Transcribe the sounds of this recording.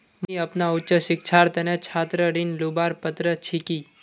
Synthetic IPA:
miəpnaʊtːt͡ʃəʃɪkt͡ʃʰaɾt̪ənet͡ʃʰat̪ɾəɽinlubaɾpət̪ɾət͡ʃʰiki

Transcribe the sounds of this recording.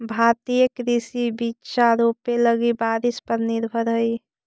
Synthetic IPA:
bʱat̪ijəkɾisibitːʃaɾopeləɡibaɾispəɾnɪɾbʱəɾɦəi

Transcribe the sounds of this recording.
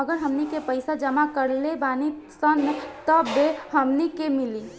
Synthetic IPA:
əɡəɾɦəmnikepəɪsad͡ʒəmakəɾlebani | sənt̪ɔbehəmnikemili

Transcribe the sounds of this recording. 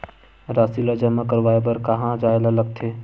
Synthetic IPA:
ɾasiləd͡ʒəmẽkəɾʋaːebəɾkaɦãd͡ʒaelaləɡ̚t̪ʰe

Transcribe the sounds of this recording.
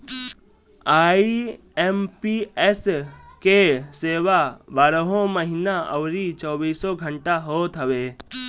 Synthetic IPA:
aːi | empieskeseːʋabaɾɦõməɦinaə̰wɾit͡ʃɔːbiːsoɡʱəɳʈaɦoːt̪ɦəʋe

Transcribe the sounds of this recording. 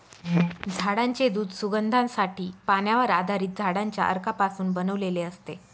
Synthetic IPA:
ɦd͡zʱaɽaɲt͡ɕed̪uːd̪suɡənd̪ʱãnsaʈʰiːpanjaʋəɾad̪ʱaɾiːt̪̚d͡zʱaɽãɲt͡ɕja̰ʔə̰ɾkapasuːnbənəʋleleəst̪e

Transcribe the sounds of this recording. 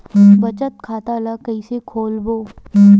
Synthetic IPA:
bɐt͡ʃət̪̚kʰaːt̪alakəisekʰoːlboː

